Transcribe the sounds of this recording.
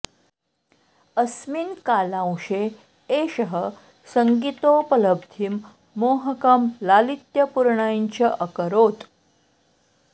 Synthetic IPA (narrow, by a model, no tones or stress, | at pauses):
əsminkalãwʂe | eɕəɦə | səŋɡit̪opələb̚d̪ʱimː | oɦəkamlalit̪jəpuɾɳajɲt͡ɕəʔəkəɾot̪